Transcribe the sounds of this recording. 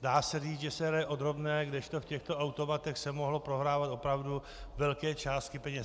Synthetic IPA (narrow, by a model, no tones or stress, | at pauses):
daːsɛriːt͡sʒɛsɛɾajɛʔo̞d̪ɾo̞bnɛːɡdɪʃt̪ofcɛxt̪o̞ʔawt̪o̞mat̪ɛxsɛmoɦlo̞pɾo̞ɦɾaːvat̪ʔo̞pɾavdu | vɛlkɛːt͡ʃaːst̪̚kɪpɛɲɛs